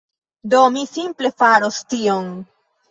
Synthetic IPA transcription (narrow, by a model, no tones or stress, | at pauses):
do̞misimple̞faɾostion